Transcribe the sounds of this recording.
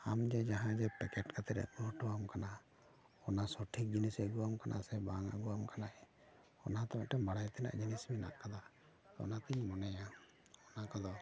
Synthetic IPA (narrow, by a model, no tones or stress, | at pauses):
amd͡ʒɛd͡ʒaɦãd͡ʒɛpɛkɛʈkat̪ʰɛɾɛ̰ʔɡɔʈɔwamkana | ɔnasɔʈʰik̚d͡ʒinisəɡuwamkanʔa̰sɛbaŋa̰ɡuwamkanaʔɛ | ɔnat̪amaʔʈɛbaɽajt̪ɛna̰ʔd͡ʒinismina̰ʔkad̪a | t̪ɔɔ̰nat̪iɲmɔnɛja | ɔnakad̪ɔ